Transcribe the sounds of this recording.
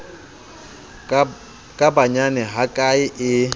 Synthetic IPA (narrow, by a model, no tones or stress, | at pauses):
kʼabaɲanɛɦakʼaɪʔɪ